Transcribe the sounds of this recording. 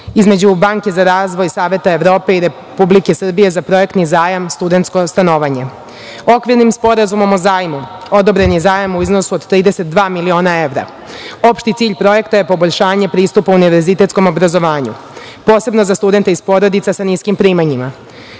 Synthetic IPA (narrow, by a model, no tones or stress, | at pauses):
izme̞d͡ʑubaŋke̞zaɾaːzʋo̞jsaːʋje̞t̪ae̞ʋɾo̞ːpe̞iɾe | publike̞sr̩bije̞zapɾo̞je̞kt̪nizaːjamst̪ud̪e̞nt̪sko̞st̪ano̞ːʋaɲe̞ | o̞kʋiɾnimspo̞ɾazumo̞mozaːjmu | o̞d̪obɾe̞nizaːjamuizno̞suod̪t̪ɾiːd̪e̞set̪̚d̪ʋaːmilio̞ːnae̞ʋɾa̰ | o̞pʃt̪it̪siːʎpɾo̞je̞kt̪aje̞po̞bo̞ʎʃaːɲepɾiːst̪upauuniʋe̞ɾzit̪et̪ko̞mo̞bɾazo̞ʋaːɲṵ | po̞ːse̞bno̞zast̪ud̪e̞nt̪eispo̞ɾo̞d̪it̪sasaniskimpɾiːmaɲima